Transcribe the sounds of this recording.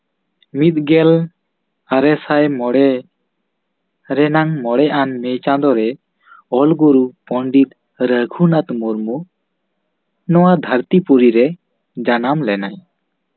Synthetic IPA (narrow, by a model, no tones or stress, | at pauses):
mit̪̚ɡɛl | aɾɛsajmɔɽɛ | ɾɛnaŋmɔɽɛʔanmɛt͡ʃãd̪ɔɾɛ | ɔlɡuɾupɔɳɖit̪̚ | ɾəɡʱunat̪mɔɾmu | nɔwad̪ʱəɾt̪ipuɾiɾɛ | d͡ʒanamlɛnaj